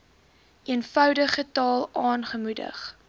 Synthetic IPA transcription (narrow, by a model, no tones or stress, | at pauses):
iənfœwdəχətɑːlˠɑːnχəmudə̰χ